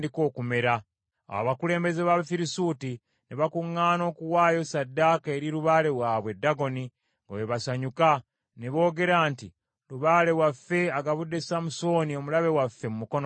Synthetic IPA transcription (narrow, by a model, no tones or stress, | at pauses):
diko̞ːkume̞ɾa̰ | wa̰βakule̞ːmbe̞ze̞βaβfiɾisuːti | neβakuŋːaːno̞ːkuwaːjo̞sadːaːkae̞ɾiɾuβale̞waːβwe̞dːaɡo̞ni | ŋɡo̰weβasaɲuka | neβo̞ːɡe̞ɾaːnti | ɾuβale̞wafːe̞aɡaβudːe̞samuso̞ːnio̞mulaβe̞wafːe̞mumuko̞no